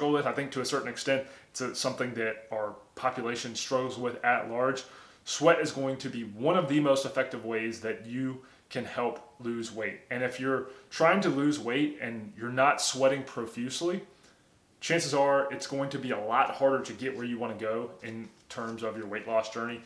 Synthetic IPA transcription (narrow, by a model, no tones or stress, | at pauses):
l̩ˠwɪθaɪθɪ̃ŋk̚tʰɨːsɜ˞ʔn̩ɨkstɛ̃nttsɨsʌ̃mθɪ̃ŋðɨɾaə˞pʰɑpjɨleɪʃɨ̃nstɹ̥oʊvzwɪðɨtˡlɑɹd̥ʒ̥ | swɛɾɨzɡoʊɪ̃ŋtʰɨbiwʌ̃ñʌvðɨmoʊstɨfɛk̚tɨvweɪzðɨt͡ʃɨ | kʰɨ̃nhɛlˠplʉzweɪɾ̚ɨ̃nɨfjə˞tʰɹ̥aɪɪ̃ŋtɨlʉzweɪɾɨ̃njə˞nətswɛɾɪ̃ŋpʰɹ̥oʊfjʉsli | t͡ʃʰæ̃nsɨzə˞ɨtsɡ̥oʊɪ̃ŋtʰɨbiəlɔt̚hɑɹɾə˞ɾɨɡɛʔwə˞jɨwɑ̃ɾ̃ɨɡoʊɪ̃ntʰɜ̃˞mzʌvjə˞weɪʔˡlɔsd̥ʒ̥ɜ˞ni